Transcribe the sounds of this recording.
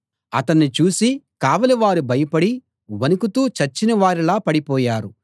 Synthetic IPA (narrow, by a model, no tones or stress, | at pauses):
ɐt̪ɐnːit͡ʃuːsikaːʋɐliʋaːɾubɐjɐpɐɽi | ʋɐnukut̪uːt͡ʃɐɾt͡ʃːinɐʋaːɾilaːpɐɽipɔːjaːɾu